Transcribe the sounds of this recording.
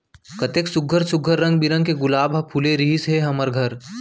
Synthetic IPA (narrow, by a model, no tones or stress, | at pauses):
kɐt̪eksʊɡʱːəɾsʊɡʱːəɾːɐ̃ŋɡ̚biɾə̃ŋɡ̚keɡʊlaːbʱɐpʰuleɾiɦisɦeɦɐməɾɡʱɐɾ